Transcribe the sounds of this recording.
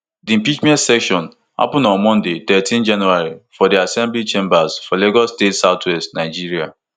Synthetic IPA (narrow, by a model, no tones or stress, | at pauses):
diĩmpit͡ʃmɛ̃ntsɛkʃɔ̃n | ha̰pʊ̃nɔ̃nmɔ̃ndetɛtĩnd͡ʒãnuaɹifɔdiasɛ̃mblit͡ʃẽmbaz̥fɔleɡɔsːtetsaʊtʰwɛstnaɪd͡ʒiɾia̰